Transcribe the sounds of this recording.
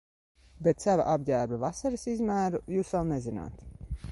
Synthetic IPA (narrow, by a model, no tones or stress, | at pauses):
bet̪sava̰ʔabɟæːɾbavasaɾɨsizmæːɾujuːsvalˠnɛzina̰ːt̪